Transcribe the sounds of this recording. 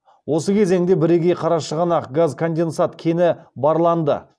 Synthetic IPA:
wʔo̞səkʲʰe̞ze̞ŋd̪e̞bɪɾe̞kʲejqʰɑɾɑʃəʁənɑqɡazkʰond̪e̞nsat̪kʲʰe̞nɪbɑɾlˠɑnd̪ə̰

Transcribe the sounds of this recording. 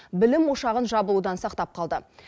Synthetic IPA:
bɪlɪmwo̞ʃɑʁənʒɑbəlˠud̪ɑnsɑqt̪ɑp̚qʰɑlˠd̪ə

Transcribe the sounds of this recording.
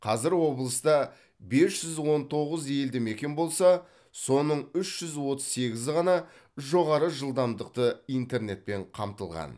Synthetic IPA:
qʰɑzɪɾwo̞blˠəst̪ɑ | be̞sʒ̥ʏzwo̞nt̪ʰo̞ʁəzje̞ld̪ɪme̞kʲe̞nbo̞lˠsɑ | so̞nəɴʏʃʒ̥ʏzwo̞t̪əzse̞ɡʲɪzʁɑnɑ | ʒo̞ʁɑɾəʒəlˠd̪ɑmd̪əq̚t̪əijnt̪e̞ɾne̞t̪̚pe̞ɴqʰɑmt̪əlˠʁɑ̰n

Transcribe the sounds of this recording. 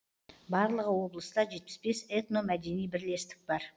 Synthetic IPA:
bɑɾlˠəʁəwo̞blˠəst̪ɑʒe̞t̪̚pɪ̥sbe̞set̪no̞mæd̪e̞nijbɪɾle̞st̪ɪ̥k̚bɑɾ

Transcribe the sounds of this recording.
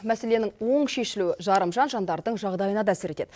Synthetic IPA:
mæse̞le̞nɪŋwo̞ɴʃe̞ʃɪluɪʒɑɾəmʒɑnʒɑnd̪ɑɾd̪əɴʒɑʁd̪ɑjənɑd̪ɑæsɪɾe̞t̪e̞d̪̥

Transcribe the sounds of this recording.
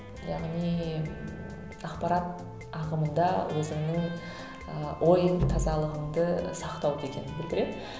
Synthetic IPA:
jɑʁnij | ɑqpɑɾɑt̪̚ | ɑqəmənd̪ɑwʔɵzɪŋnəŋ | əwʔo̞jt̪ʰɑzɑlˠəʁəmd̪əsɑqt̪ɑwkʲʰekʲe̞nɪnbɪld̪ɪɾe̞d̪

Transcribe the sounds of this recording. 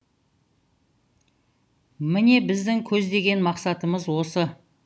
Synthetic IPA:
mɪne̞bɪzd̪ɪŋkʲʰɵzd̪e̞ɡʲe̞nmɑqsɑt̪əməzwo̞sə

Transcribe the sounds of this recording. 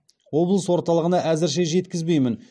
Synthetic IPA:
wo̞blˠəswo̞ɾt̪ɑlˠəʁənɑʔæzɪɾʃ̬e̞ʒe̞t̪kʲɪzbe̞jmɪn

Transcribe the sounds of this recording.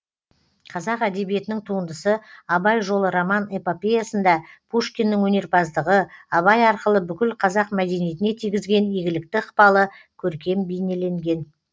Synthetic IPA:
qʰɑzɑqæd̪e̞bije̞t̪ɪnɪŋt̪ʰuənd̪əsəɑbɑjʒo̞lˠəɾamɑnepopʲejasənd̪ɑpʰuʃkʲe̞nːɪŋwɵne̞ɾpɑzd̪əʁəɑβɑjɑɾqəlˠəbʏkʲɪlqʰɑzɑq̚mæd̪e̞nije̞t̪ɪne̞t̪ʰijɡʲɪzɡʲe̞neɡʲɪlɪk̚t̪ɪəqpɑlˠə | kʲʰɵɾkʲe̞mbejne̞le̞ŋɡʲe̞n

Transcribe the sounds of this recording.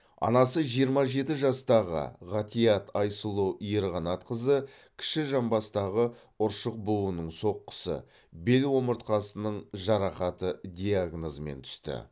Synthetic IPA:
ɑ̰nɑsəʒijəɾmɑʒe̞t̪ɪʒɑst̪ɑʁə̰ʁɑt̪ijɑt̪ʰɑjsəlˠoʔijeɾʁɑnɑt̪qʰəzəkʲʰɪ̥ʃɪʒɑmbɑst̪ɑʁə | ʊɾʃəq̚buwənəɴso̞qːə̥sə̰ | be̞lwo̞məɾt̪qɑsənəɴʒɑɾɑqɑt̪əd̪ʲijaɡnozəme̞̰nt̪ʰʏ̥st̪ɪ̰

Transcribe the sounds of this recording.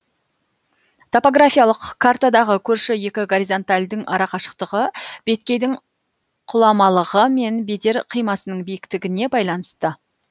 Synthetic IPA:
t̪ʰo̞po̞ɡrafʲijalˠəqkʰːart̪ad̪ɑʁəkʲʰɵɾʃɪje̞kʲɪɡoɾʲizo̞nt̪alʲd̪ɪŋʔɑɾɑqɑʃə̥qt̪əʁəb̥e̞t̪kʲe̞jd̪ɪŋ | qʰʊlˠɑmɑlˠəʁəme̞nbe̞d̪e̞ɾqʰijmɑsənəɴbijɪkt̪ɪɡʲɪne̞bɑjlˠɑnəst̪ə

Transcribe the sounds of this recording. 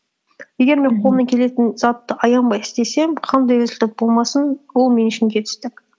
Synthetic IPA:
je̞ɡʲe̞ɾme̞ɴqʰolˠənəkʲʰe̞le̞t̪ɪnz̥ɑt̪ːəʔɑjɑnbɑjɪ̥st̪e̞se̞mqʰɑnd̪ɑjwɵzɪlt̪ɪp̚bo̞lˠmɑsənwo̞lˠme̞nɪʃɪmɡʲe̞t̪ʰʏ̥st̪ɪk

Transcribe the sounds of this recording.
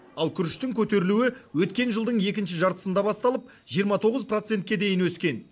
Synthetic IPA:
ɑlˠkʲʰʏɾɪʃt̪ɪŋkʲʰɵt̪e̞ɾɪluɪwɵt̪kʲe̞nʒəlˠd̪əɴe̞kʲɪnʃɪʒɑɾt̪ə̥sənd̪ɑbɑst̪ɑlˠəp̚ | ʒijəɾmɑt̪ʰo̞ʁəzpro̞t̪se̞nt̪̚kʲed̪e̞jɪnwɵskʲe̞n

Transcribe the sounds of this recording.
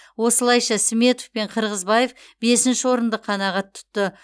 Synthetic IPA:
wo̞səlˠɑjʃɑsɪmʲe̞t̪ofpe̞ɴqʰəɾʁəzbɑje̞f | be̞sɪnʃɪwo̞ɾənd̪əqʰɑnɑʁɑt̪ʰːʊ̥t̪ːə

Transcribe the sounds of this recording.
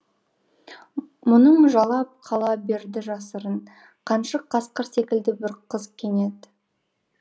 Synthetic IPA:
mʊnəmʊʒɑlˠɑp̚qʰɑlˠɑbe̞ɾd̪ɪʒɑsəɾəɴ | qʰɑnʃəqʰːɑsqəɾse̞kʲɪld̪ɪbɪɾqʰəzkʲʰe̞ne̞d̪

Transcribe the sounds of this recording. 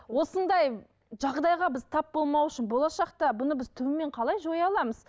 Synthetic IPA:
wo̞sənd̪ɑj | ʒɑʁd̪ɑjʁɑbɪzt̪ʰɑp̚bo̞lˠmɑwʏʃɪnbo̞lˠɑʃɑqt̪ɑbʊnəbɪzt̪ʰʏwɪme̞ɴqʰɑlˠɑjʒo̞jɑlˠɑməz̥

